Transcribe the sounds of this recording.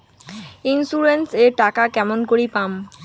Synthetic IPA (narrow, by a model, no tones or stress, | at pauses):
insuɾenseɾʈakakɛmonkoɾipam